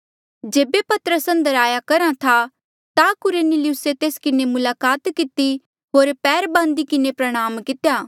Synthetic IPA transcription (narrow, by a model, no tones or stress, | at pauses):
d͡ʒeːbepɐt̪əɾəsɐ̃nd̪əɾaːjakɐɾãt̪ʰa | t̪akʊɾenɪlɪjʊset̪eːskɪnemʊlaːkaːt̪kɪt̪i | ɦoːɾpɛːɾbãːnd̪ikɪnepɾɐɽ̃aːmkɪt̪ejaː